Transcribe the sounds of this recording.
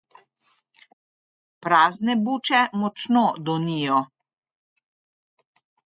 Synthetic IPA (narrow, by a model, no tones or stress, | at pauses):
pɾaːznɛbuːt͡ʃɛmɔt͡ʃnɔd̪ɔnijɔ